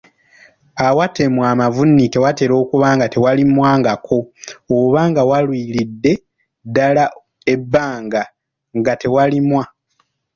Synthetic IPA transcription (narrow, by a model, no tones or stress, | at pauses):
awate̞mwaːmavunːike̞wate̞ɾo̞ːkuβaːŋɡate̞walimwaːŋɡakʰo̞oβaːŋɡawalwiːlidːe̞ | dːala | e̞bːaːŋɡa | ŋɡate̞walimwa